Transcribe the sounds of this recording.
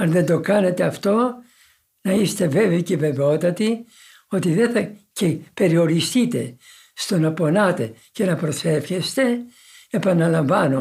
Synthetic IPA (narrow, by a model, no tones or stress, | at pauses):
ɐnðe̞nd̪o̞kɐne̞t̪e̞ɐft̪o̞ | nɐist̪e̞ve̞veiceve̞veo̞t̪ɐt̪i | o̞t̪iðe̞θɐcepe̞ɾio̞ɾist̪it̪e̞ | st̪o̞nɐpo̞nɐt̪e̞ | ce̞nɐpɾo̞se̞fçest̪e̞ | epɐnɐlɐɱvɐno